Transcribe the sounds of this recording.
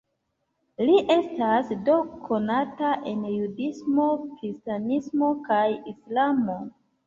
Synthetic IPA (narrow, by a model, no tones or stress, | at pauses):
liʔe̞stasdo̞kʰo̞nataʔe̞njudismo̞kɾistanismo̞kajislamo̞